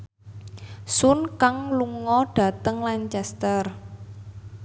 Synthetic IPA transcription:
sʊnkaŋluŋɔɖ̥ä̤t̪əŋlaɲt͡ʃɛst̪ər

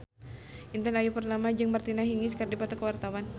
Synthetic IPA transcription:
int̪ɛnajupərnamad͡ʒɨŋmərt̪inaɦiŋiskərdipat̪akəwart̪awan

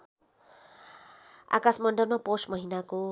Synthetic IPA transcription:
a̰kasmʌɳɖʌlmaposʈmʌɦinako

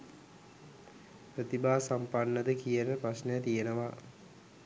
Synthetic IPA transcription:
pɾət̪ibaːsampanːəd̪əkijənəprasnəjət̪ijənəʋa

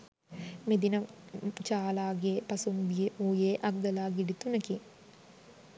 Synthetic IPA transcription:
med̪inət͡ʃaːlaːɡepɐsumbijeuːjeːʔɐɡ̚ɡ̪ɐlaːɡiɖit̪unɐki

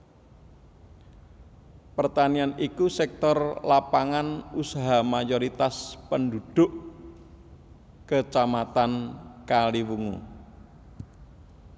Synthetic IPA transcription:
pərt̪anianikusɛk̚t̪ɔrlapaŋanusaɦamajɔɾit̪aspənd̪ud̪̥ʊʔ | kət͡ʃamat̪ankaliwuŋṵ

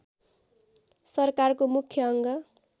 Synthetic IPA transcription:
sʌrkarkomukʰːjʌʌŋɡʌ

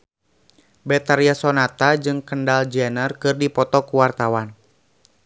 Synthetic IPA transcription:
bɛt̪aɾiasɔnat̪ad͡ʒɨŋkəndald͡ʒɛnərkɨrdipɔt̪ɔkuwart̪awan

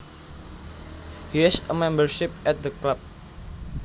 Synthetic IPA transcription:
hisəmɛ̃mbərʃɪp̚ɛt̪̚d̪əklap̚

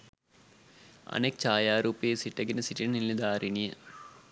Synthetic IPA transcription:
ɐ̰neːk̚t͡ɕaːjaːɾuːpijesiʈːɐɡinɨsiʈinnilːid̪aːɾiɳijɐ

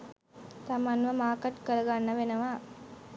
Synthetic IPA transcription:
t̪amanʋɐmaːkɐʈkəɾɐɡanːɐʋenɐʋaː

